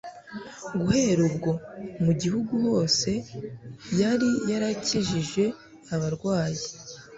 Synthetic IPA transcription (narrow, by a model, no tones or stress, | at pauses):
ɡuhe̞ɾubɡo̞muɟihuɡuho̞ːse̞ | jaɾijaɾaciʒiʒe̞ | aβaɾɡwaːji